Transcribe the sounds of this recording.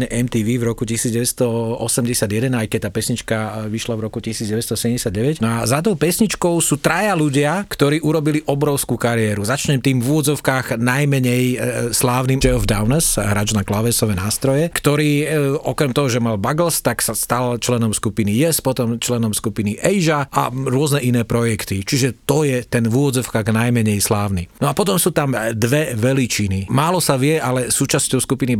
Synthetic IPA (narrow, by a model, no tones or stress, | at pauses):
ɲɛʔɛmt̪iːʋiːvɾɔkucisiːdd͡zɟɛʋɛst̪ɔɔsɛmɟɛsɪad̪jɛd̪ɛnajkɛc̚t̪aːpɛsɲit͡ʃkaʋiʃlavɾɔkucisiːd͡zɟɛʋɛst̪ɔsɛɟɛmɟɛsɪad̪ɟɛʋɛcnɔazad̪ɔʊpɛsɲit͡ʃkɔʊsuːt̪ɾajaluɟɪakt̪ɔɾiːʔuɾɔbiliʔɔbɾɔʊskukaɾiɛɾuzat͡ʃɲɛmt̪iːmvuɔd̪zɔʊkaːɣnajmɛɲɛjslaːʊnimd͡ʒɛɔvd̪aʊnɛsɦɾad͡ʒnaklaʋɛsɔʋɛnaːst̪ɾɔjɛkt̪ɔɾiːʔɔkɾɛmt̪ɔɦɔʒɛmalbaɡl̩st̪aksast̪alt͡ʃlɛnɔmskupinijɛspɔt̪ɔmt͡ʃlɛnɔmskupiniʔɛjʒaʔa̰ɾʊɔznɛʔinɛːpɾɔjɛkt̪it͡ʃiʒɛt̪ɔjɛt̪ɛnʋuʋɔd̪d͡zɔʊkaːɣnajmɛɲɛjslaːʊninɔapɔt̪ɔmsuːt̪amd̪ʋɛʋɛlit͡ʃinimaːlɔsaʋɪɛʔalɛsuːt͡ʃascɔʊskupini